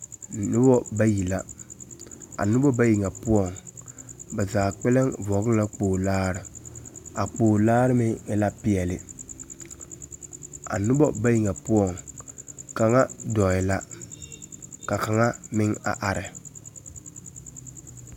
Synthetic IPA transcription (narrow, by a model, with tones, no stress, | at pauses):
nʊ˦bɔ˦ba˦ji˨la˦ | a̰˨nʊ˦bɔ˦ba˦ji˨ŋɛ˨pʊ˦ɔ˦˨ŋ | ba˨zaː˨k͡pɛ˦lɛ˦ŋvɔ˨ɣɪ˦la˦k͡poː˨laː˦ɾɪ˨ | a˨k͡poː˨laː˦ɾɪ˦mɪ˦ŋɪ˨la˦pɪ˦ɛ˨lɪ˨ | a̰˨nʊ˦bɔ˦ba˦ji˨ŋɛ˨pʊ˦ɔ˦˨ŋ | ka˨ŋa˦dɔ˨ɪ˨la˦ | ka˨ka˨ŋa˦mɪ˦ŋa̰˨ʔa˨ɾɪ˨